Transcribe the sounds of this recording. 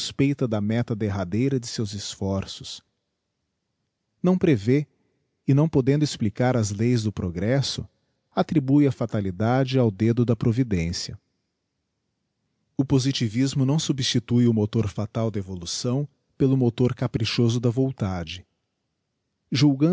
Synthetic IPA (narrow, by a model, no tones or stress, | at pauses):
spejt̪ɐd̪ɐmɛt̪ɐd̪eɦad̪ejɾɐd͡ʒɪsewzɪsfɔɾsʊs | nɐ̃w̃pɾeve | ɪnɐ̃w̃pod̪ẽnd̪ʊɪsplikaɾɐzlejzd̪ʊpɾoɡɾɛsʊ | at̪ɾibujɐfat̪alid̪ad͡ʒɪawd̪ed̪ʊd̪ɐpɾovid̪ẽsiɐ | ʊpozit͡ʃivizmʊnɐ̃w̃subist͡ʃit̪ujʊmot̪oɾfat̪awd̪ɐevolusɐ̃w̃ | pelʊmot̪oɾkapɾiʃozʊd̪ɐvõw̃t̪ad͡ʒɪ | ʒuwɡɐ̃